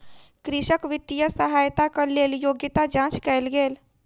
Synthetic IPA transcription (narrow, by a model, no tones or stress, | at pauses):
kɾɪʃəkʋɪt̪ːijəsəɦaːjt̪akəleːljoːɡjɪt̪ad͡ʒãːt͡ʃkɛelɡeːl